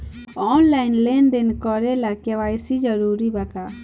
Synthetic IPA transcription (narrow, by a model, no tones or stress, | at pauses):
ɔnlajnlɛnd̪inkɔɾɛlakɛwajsid͡ʒɔɾuɾibaka